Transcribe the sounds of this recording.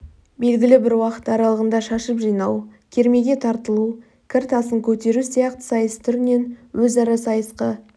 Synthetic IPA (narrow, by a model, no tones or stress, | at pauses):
be̞lɡʲɪlɪbɪɾwɑqə̥t̪ɑɾɑlˠəʁənd̪ɑʃɑʃəpʒijnɑwkʲʰe̞ɾme̞ɡʲe̞t̪ʰɑɾt̪əlˠu | kʲʰɪɾt̪ɑsəŋkʲʰɵt̪e̞ɾusijɑqt̪ə̥sɑjəsə̥t̪ʰʏɾɪne̞nwɵzɑɾɑsɑjəsqə